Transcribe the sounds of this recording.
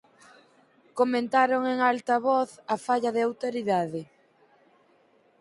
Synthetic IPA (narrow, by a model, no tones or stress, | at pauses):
komẽnt̪aɾoŋeŋalt̪ɐβɔθɐfaʎɐðɪawt̪oɾiðaðɪ